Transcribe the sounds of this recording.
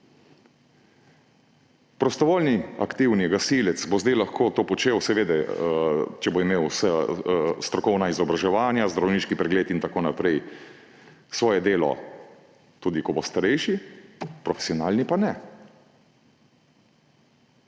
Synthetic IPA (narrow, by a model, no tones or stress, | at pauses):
pɾɔst̪ɔʋoːlnia̰kt̪iwniɡasiːlɛt̪sbozd̪ɛjlaxkoːt̪oːpɔt͡ʃewsɛʋeːd̪ɛ | t͡ʃɛboimeːwsast̪ɾɔkɔwnaizɔbɾaʒɛʋaːnjazd̪ɾawniːʃkipɾɛɡleːt̪int̪akoːnapɾɛj | sʋɔːjɛd̪eːlɔ̰ | t̪uːd̪ikɔbɔst̪aɾɛjʃipɾɔfɛ̥sijɔnaːlnipanɛ